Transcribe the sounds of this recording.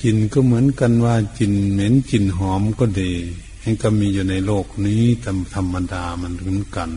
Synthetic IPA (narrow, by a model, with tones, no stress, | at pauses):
t͡ɕi˨nkɔː˧˩˨mɯ˨˦ə˨nka˧˨nwaː˧t͡ɕi˨nme˧˥nt͡ɕi˨˩nɦɔː˧˦mkɔː˧˩da˨˧˩ | ha˧˥˨nka˧˩miː˧juː˧na˧˩jloː˧˩k̚niː˧˥˨t̪ʰa˧mt̪ʰa˧mːa˧˨daː˨˧ma˧˨npʰɯ˨˧˦nka˨n